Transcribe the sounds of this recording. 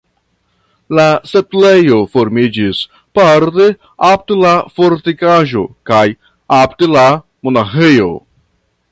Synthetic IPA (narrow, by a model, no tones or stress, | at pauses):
lase̞plejo̞fo̞ɾmid͡ʒis | paɾte̞ | ap̚telafo̞ɾtikaʒo̞̰kaj | aptela | monaxe̞jo̞̰